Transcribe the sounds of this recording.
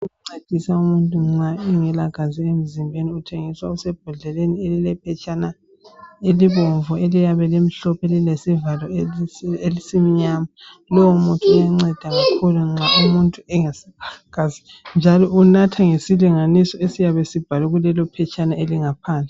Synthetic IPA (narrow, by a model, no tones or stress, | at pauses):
uŋ͡ǀed̥ʱisaumuntʼuŋ͡ǀaiŋɛlaɡ̥ʱaziem̩zimbʱeniutʰeŋiswausɛb̥̚ʱaɮɛlenielilɛpʰɛt͡ʃʼana | eliβɔɱvɔelijaβɛlemiɬɔpʰelilesivalɔ | elisimiɲama | lɔɔmuntʼuujaŋ͡ǀɛd̥ʱaɣakʰuluŋ͡ǁaumuntʼuɛŋɛsiaɡ̥ʱazi | nd͡ʒʱalɔʔunatʰaŋesiliŋanisɔesijaβesib̥ʱaluɣulɛlɔpʰɛt͡ʃʼanaeliŋapʰaːnd͡ɮʱɛ